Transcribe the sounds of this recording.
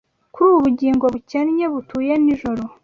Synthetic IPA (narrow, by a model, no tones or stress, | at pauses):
kuɾuːβuβuɟiːŋɡo̞βucenɲe̞βutuːjeniʒo̞ɾo̞